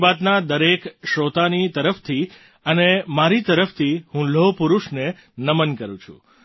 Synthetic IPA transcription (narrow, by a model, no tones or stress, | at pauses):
ʋat̪nad̪əɾekʃot̪anit̪əɾəft̪ʰi | ənemaɾit̪əɾəft̪ʰihũlopuɾuʃne | nəmənkəɾũt͡ʃʰṵ̃